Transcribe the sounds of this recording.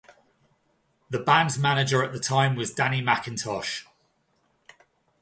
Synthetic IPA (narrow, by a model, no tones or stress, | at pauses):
ðəbãndzmanɪd͡ʒəɹəʔðətʰãɪ̃mwɒzdanimakə̃ntʰɒʃ